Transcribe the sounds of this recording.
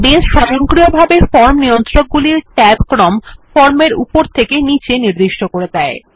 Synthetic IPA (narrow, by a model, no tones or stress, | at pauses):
bed͡ʑʃɔɾoŋkɾijobʱabefɔɾmnijont̪ɾok̚ɡuliɾʈɛbkɾɔmfɔɾmeɾṵpoɾt̪ʰekenit͡ɕeniɾd̪iʃʈokoɾed̪ɛe